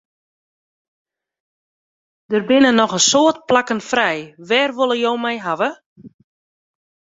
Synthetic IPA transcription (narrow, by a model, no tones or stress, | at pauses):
dərbɪnənɔxəsoːət̚plakənfrɛjʋɛːrʋolˠəjowmɛjɦaʋə